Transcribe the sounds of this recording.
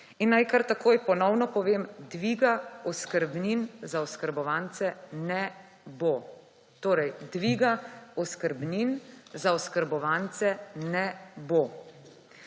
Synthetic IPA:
inːajkaɾt̪akoːjpɔnɔwnɔpɔʋeːmd̪ʋiɡaɔskəɾbninzaɔskəɾbɔʋant̪sɛnɛ | bo | t̪oːɾɛjd̪ʋiːɡaɔskəɾbninzaɔskəɾbɔʋant̪sɛnɛbo

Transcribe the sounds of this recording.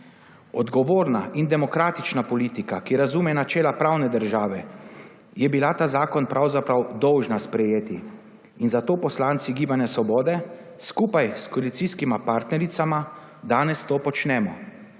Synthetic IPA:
ɔd̪ɡɔʋoːɾna̰ʔind̪ɛmɔkɾaːt̪it͡ʃnapɔliːt̪ikakiɾazuːmɛnat͡ʃɛːlapɾawnɛd̪əɾʒaːʋɛ | jɛbilat̪aːzaːkɔnpɾawzapɾawd̪ɔwʒnaspɾɛjeːt̪i | inzat̪oːpɔslaːnt̪siɡiːbanjɛsʋɔbɔːd̪ɛ | skuːpajskɔalit̪siskimapaɾt̪nɛɾit̪sama | d̪aːnɛst̪oːpɔt͡ʃnɛːmɔ

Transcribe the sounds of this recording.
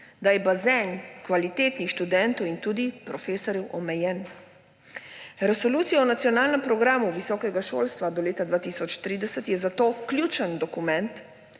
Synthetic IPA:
d̪ajɛbazɛnkʋalit̪eːt̪nixʃt̪ud̪ɛnt̪ɔwint̪uːd̪ipɾɔfeːsɔɾjɛwʔɔmɛjɛn | ɾɛsɔluːt̪sijaɔnat̪sijɔnaːlnɛmpɾɔɡɾaːmuʋisɔːkɛɡaʃo̰ːlst̪ʋad̪ɔleːt̪ad̪ʋaːt̪isɔt͡ʃt̪ɾiːd̪ɛsət̪jɛzat̪oːklʲjuːt͡ʃənd̪ɔkumɛ̃nt̪

